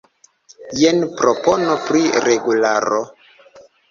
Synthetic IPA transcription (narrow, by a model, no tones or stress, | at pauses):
jenpɾoponopɾiɾeɡulaɾo